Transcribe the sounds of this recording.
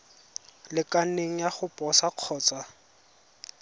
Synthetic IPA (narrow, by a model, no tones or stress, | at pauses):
lɪkaneŋ̩jaχʊpʼɔsaq͡χʰɔːt͡sʼa